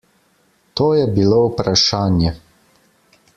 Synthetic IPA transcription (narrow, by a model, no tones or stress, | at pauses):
t̪oːjɛbiloupɾaʃaːnjɛ